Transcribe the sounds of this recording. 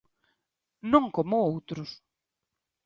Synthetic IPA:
nõŋkomʊowt̪ɾʊs

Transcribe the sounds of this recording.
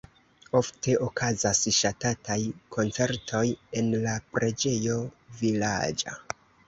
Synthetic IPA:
o̞ftʰe̞ʔokʰazasʃatatajkʰo̞nt͡se̞ɾtʰo̞je̞nlapɾe̞d͡ʒe̞jo̞vila̰d͡ʒa̰

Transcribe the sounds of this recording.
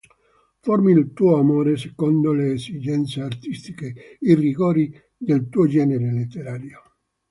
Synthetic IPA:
formilt̪uːoamoːɾesekond̪oleːsid͡ʒɛnt̪seart̪ist̪ikeiriɡoːɾi | d̪elt̪uːod͡ʒɛːneɾelet̪ːeɾaːɾjo

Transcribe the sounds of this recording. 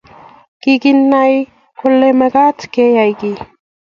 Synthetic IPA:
kɪkɪnːaj | kolemekat͡skejajkɪ

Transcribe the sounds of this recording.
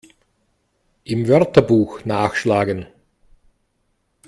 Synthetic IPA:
ʔɪmvœʁtɐbuːxnaːxʃlaːɡən

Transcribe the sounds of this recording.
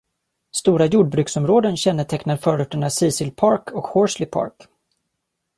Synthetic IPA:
st̪uːɾajuːɖ̚bɾʉ̟ːksɔmɾoːd̪ənɕɛnːəʈʰɛknaɾfœːɾʊʈːəɳasiːsɪlpʰɑɾkʰɔkhɔʂlɪpʰɑ̰ɾk

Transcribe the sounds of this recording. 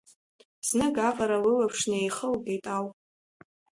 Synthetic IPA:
znɨɡaqʼaɾawilapʰʂnejχəlɡejtʼawpʼ

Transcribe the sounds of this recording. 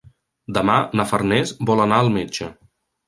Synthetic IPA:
d̪əmanəfərnɛzbɔlənaəlˠmed͡ʒə

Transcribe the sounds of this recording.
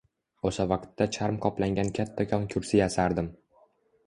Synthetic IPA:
osavaqt̪ːat͡ʃʰaɾmqʰɒplaŋɡʲankʲʰat̪ʰːakʲʰɒŋkʲʰʊɾsɪjasaɾd̪ɪm

